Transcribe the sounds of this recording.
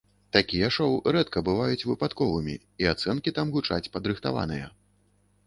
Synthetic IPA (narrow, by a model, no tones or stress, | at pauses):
t̪akʲijɛʂɔwɾɛt̪kɐbɨvajut͡sʲvɨpat̪kɔvɨmʲḭ | iat̪sɛnkʲit̪amɣut͡ʂat͡sʲpɐd̪ɾɨxt̪ava̰nɨjɐ̰